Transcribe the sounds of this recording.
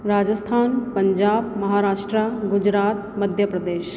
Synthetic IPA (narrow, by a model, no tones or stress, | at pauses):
ɾaːd͡ʒəst̪ʰaːnpɐɲd͡ʒaːbmɐɦaːɾaːʂʈɾəɡʊd͡ʒɾaːt̪mɐd̪ʱjəpɾɐd̪eːʃ